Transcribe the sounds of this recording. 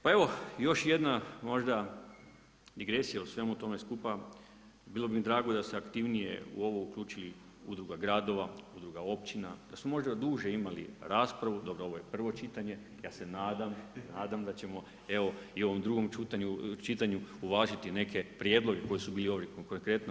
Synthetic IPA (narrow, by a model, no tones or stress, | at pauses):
pae̞ʋo̞jo̞ʃje̞d̪namo̞ʒd̪a | d̪iɡɾe̞sijausʋe̞mut̪o̞me̞skupa | biːlˠo̞bimid̪ɾaːɡo̞d̪ast̪eakt̪iʋnije̞̰ṵo̞ʋoukʎʲuːt͡ʃili | ṵd̪ɾuɡaɡɾaːd̪o̞ʋaud̪ɾuɡao̞pt͡ʃinad̪asmomo̞ʒd̪ad̪uːʒe̞imalḭɾaːspɾaʋud̪o̞bɾoo̞ʋo̞je̞pr̩ʋo̞t͡ʃit̪aɲe̞ | jaːse̞naːd̪amnaːd̪amd̪at͡ɕe̞mo̞ | e̞ʋo̞io̞ʋo̞md̪ɾuɡo̞mt͡ʃuːt̪aɲut͡ʃit̪aɲuuʋaːʒat̪ine̞kʰe̞pɾje̞d̪lˠo̞ɡe̞ko̞jisubiːlio̞ʋikokoŋkɾe̞t̪no